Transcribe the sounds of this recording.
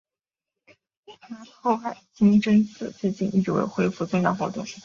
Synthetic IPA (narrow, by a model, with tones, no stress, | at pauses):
t̪ʰa˥xo˥˧ʊxa˥˩ɪt͡ɕi˥ŋʈ͡ʂə˥nt͡sʰɹ̩˥˩t͡ɕɛ˥˧t͡ɕi˥˧ny˥˩˥wḛ˥˧˩ɪxwe˥ɪfu˥˧t͡swɤ˥˧ŋjɑ̰˥˧˩xwɔ˧˥t̪ʊ̰˥˩ŋ